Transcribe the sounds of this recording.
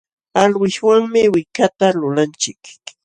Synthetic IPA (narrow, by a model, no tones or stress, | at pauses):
alwɪʃwaŋmɪwɪkat̪alʊlant͡ʃɪk